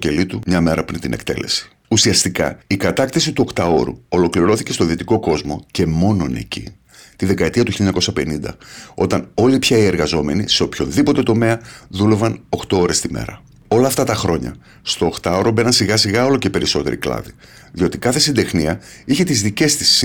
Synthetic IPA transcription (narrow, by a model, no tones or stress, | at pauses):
oce̞lit̪umɲɐme̞ɾɐpɾint̪inʔe̞̰kt̪e̞̰le̞̰si̥ | usiɐst̪ikɐ̰ikɐt̪ɐk̚t̪isit̪uo̞kt̪ɐo̞̰ɾṵo̞lo̞kliɾo̞θice̞st̪oðiot̪i̥ko̞ko̞zmo̞̰ce̞mo̞no̞nḛcḭ | t̪iðe̞kɐe̞t̪iɐt̪uçilʎːuɲɐko̞sɐpe̞nind̪ɐ̰o̞t̪ɐno̞lipçɐie̞ɾɣɐzo̞me̞nise̞o̞pço̞nðipo̞t̪e̞t̪o̞me̞ɐðulevɐno̞xt̪o̞o̞ɾe̞st̪ime̞̰ɾɐ̰ | o̞lɐːft̪ɐt̪ɐxɾo̞ɲɐ̰ | st̪o̞ːxt̪ɐo̞ɾo̞be̞nɐnsiɣɐsiɣɐo̞lo̞ce̞pe̞ɾiso̞t̪e̞̰ɾḭklɐ̰vi | ðio̞t̪ikɐθe̞sind̪e̞xniɐiçe̞t̪izðice̞st̪i̥s